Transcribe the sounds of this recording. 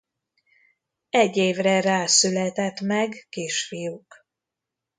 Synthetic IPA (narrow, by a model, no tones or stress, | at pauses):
ɛɟːeːvrɛraːsylɛt̪ɛt̪mɛɡkiːʃfijuk